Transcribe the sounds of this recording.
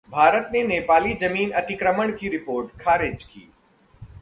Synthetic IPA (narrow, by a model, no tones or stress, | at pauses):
bʱaːɾət̪neneːpaːlid͡ʒɐmiːnɐt̪ɪkɾəməɽ̃kiɾɪpoːɾʈkʰaːɾɪd͡ʒkḭː